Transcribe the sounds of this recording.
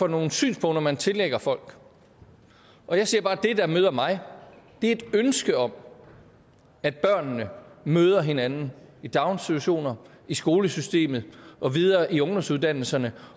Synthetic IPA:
fɒ̽no̝ːn̩sy̰ːnspʰɔ̽nd̥ɐmænt͡sʰe̝leɡ̥ɐfɒ̽l̰ɡ̥ | ʔɒ̽jɑ̈ɪsiɐb̥ɑ̈ːd̥e̝d̥æ̈møːð̞ˠɐmɑ̈ɪd̥e̝æɐe̝d̥ønsɡ̥əɒ̽m̰ | æd̥̚b̥ɶɐ̰nːəmøːð̞ˠɐɦe̝nænn̩id̥ɑ̈ʊnsit͡sʰu̝æɕo̝̰ːnɐ | isɡ̥o̝ːləsysd̥e̝̰ːmð̩ˠʔɒ̽ʋið̞ˠɐːʔiɔ̽ŋd̥ɒ̽msuð̞ˠd̥æn̰l̩sɐnə

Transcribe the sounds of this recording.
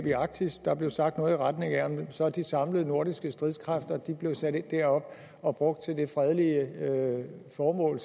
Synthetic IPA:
b̥iɑ̈ɡ̥̚d̥ʰisd̥ɑ̈b̥le̝ʊsɑ̈ɡ̥d̥nɔ̽ːð̩ˠiʁad̥ne̝ŋæɐ̰msɒd̥isɑ̈mləð̞̩ˠno̝ɐ̰ɾisɡ̥əsd̥ʁiðˠskʰʁafd̥ɐd̥ib̥le̝ʊsæɾ̥ed̥ːæɐɒ̽b̥ | ɒ̽b̥ʁɔ̽ɡ̥̚d̥̚t͡sʰe̝ld̥e̝fʁɛð̞ˠliə | fɒːmɔ̰̽ːl

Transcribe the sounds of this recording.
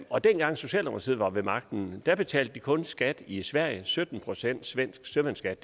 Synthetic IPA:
ɒ̽d̥enɡ̥ɑ̈ŋ̰so̝ɕɛ̰ːlɑmɐsʰḭð̩̰ˠʋɑ̈ʋe̝mɑ̈ɡ̥̚d̥n̩d̥æb̥e̝t͡sʰɛ̰ːldəd̥ikʰɔ̽nsɡ̥æd̥isʋæɐ̰jəsød̥n̩pʰʁo̝sen̰d̥sʋen̰sɡ̥sømænsɡ̥æd̥

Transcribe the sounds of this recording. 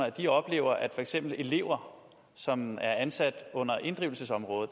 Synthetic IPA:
ɐæd̥iɒ̽b̥le̝̰ːʊ̰ɐʔæd̥fɒ̽eɡ̥sem̰b̥l̩e̝le̝ʊɐ | sɒ̽mæɐænsæd̥ɔ̽n̰ɐʔe̝nd̥ʁiʊl̩səsɒ̽mʁɔ̽ːð̞̩ˠ

